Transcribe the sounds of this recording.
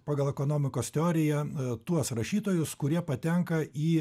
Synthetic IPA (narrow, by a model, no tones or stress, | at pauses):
pɑːɡɐlˠɛkoːnoːmʲɪkoːst̪ʲɛoːɾʲɪjɛt̪uɔsɾɐʃʲiːt̪oːjʊskʊɾʲiɛpɐt̪ʲɛŋkɐiː